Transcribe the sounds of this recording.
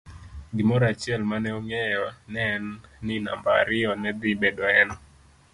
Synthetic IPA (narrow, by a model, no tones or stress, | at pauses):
ɡɪmɔɾat͡ʃɪɛlmanɛoŋɛjɔnɛnːɪna̰mbaa̰ɾɪɔnɛd̪ɪbedɔɛnɔ